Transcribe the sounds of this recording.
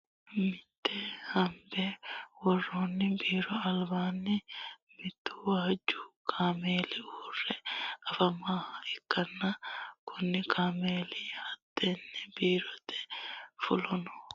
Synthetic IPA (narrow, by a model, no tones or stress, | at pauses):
mɪt̪ːɛhɐmbɛwɔrːonːɪbiːɾɔɐlbaːnːɪmɪt̪ːʊwaːd͡ʒːʊkʰaːmeːlɪuːrːɛɐfɐmaːhɐɛkːɐnːɐkʰʊnːɪkʰaːmeːlihɐt̪ːenːɛbiːɾɔt̪ːɛ̥fʊlɔnɔ